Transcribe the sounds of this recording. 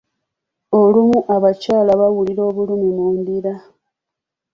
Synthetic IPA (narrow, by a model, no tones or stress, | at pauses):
o̞lumuʔaβacaːlaβawuliɾo̞ːβulumimuːndiɾa